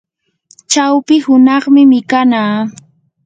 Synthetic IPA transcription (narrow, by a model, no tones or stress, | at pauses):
t͡ʃawpɪhʊnɑχmɪmɪkanaː